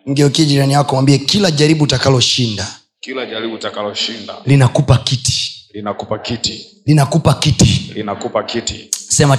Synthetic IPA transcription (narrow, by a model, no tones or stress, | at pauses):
ŋ̩ɡɛɔkiaʄiɾaniwakɔmwambiɛkilaʄaɾiɓutakalɔʃinda | kilaʄaɾiɓutakalɔʃinda̰linakupakiti̥linakupakiti | linakupakitilinakupakitisɛma